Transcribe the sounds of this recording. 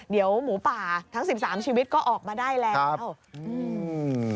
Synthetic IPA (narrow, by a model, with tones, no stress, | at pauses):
di˩˦əwmuː˩˦paː˨˩t̪ʰa˦˥ŋsi˨˩p̚saː˩˦mt͡ɕʰiː˧wi˦˥t̪̚kɔː˥˩ʔɔː˨˩k̚maː˧daː˥˩jlɛː˦˧˦wʔɯʔɯː˧˩